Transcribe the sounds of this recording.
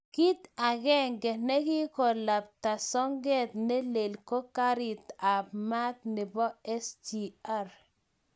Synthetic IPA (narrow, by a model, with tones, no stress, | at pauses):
ki˦t̪a˨ɡɛ˦ŋɡɛ˨nɛ˦kɪ˦kɔ˨la˨p̚t̪a˨sɔ˦ŋɡɛ˦t̪nɛ˦le˨lkɔ˦ka˦ɾɪ˨t̪a˨bma˦t̪nɪ˨bɔ˦ɛ˦sd͡ʒi˨a˦˨ɾ